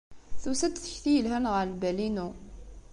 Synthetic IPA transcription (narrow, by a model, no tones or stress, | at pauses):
θusæd̪θə̥çθijəlɦænʁəɾlbælinu